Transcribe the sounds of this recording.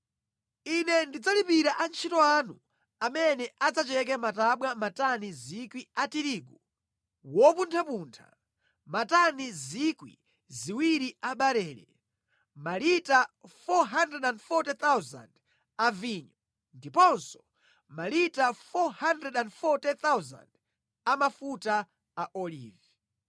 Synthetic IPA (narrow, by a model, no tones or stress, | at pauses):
inɛndid͡zalipiɾaʔant͡ʃʰitɔanu | amɛnɛʔad͡zat͡ʃɛk̬ɛmataɓwamatanizikwiatiɾiːɡu | wɔpuntʰapuːntʰa̰ | matanizikwḭ | ziwiɾiaɓaɾɛːɾɛ̰ | malitafɔɦandrɛdandfɔtɛt̪awza̰nd | aviɲɔ | ndipɔnsɔ̥ | malitafɔhandrɛdandfɔtɛt̪awza̰nd | amafuta | aʔɔlḭːvɛ